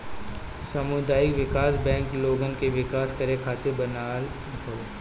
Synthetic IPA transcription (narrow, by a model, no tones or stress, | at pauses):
sɐmʊd̪aːjɪkʋɪkaːsbɛ̃ːŋkloːɡənkeʋɪkaːskɐɾekʰaːt̪ɪɾbɐnaːl | ɦoː